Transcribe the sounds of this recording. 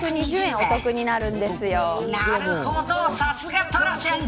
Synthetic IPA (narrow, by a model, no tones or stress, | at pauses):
kɯɲiʑɯẽot̪o̞kɯ̟ɲinaɾɯ̟nd̪e̞sɨjo | ot̪osasuɡat̪ʰoɾat͡ɕan